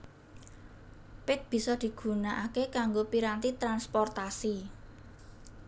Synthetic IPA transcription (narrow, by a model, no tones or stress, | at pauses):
pɪt̪̚b̥i̤sɔd̪̥i̤ɡ̥ṳnaʔakekaŋɡopiɾant̪it̪ɾanspɔrt̪asi